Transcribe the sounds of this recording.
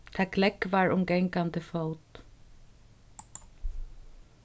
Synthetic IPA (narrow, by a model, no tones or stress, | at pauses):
t̪ʰaklɛkʋaɹʊmɡɛŋkant̪əfɔwt̪